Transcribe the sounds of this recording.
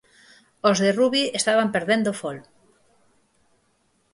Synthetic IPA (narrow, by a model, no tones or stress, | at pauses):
ozðeruβiest̪aβampeɾðend̪ofol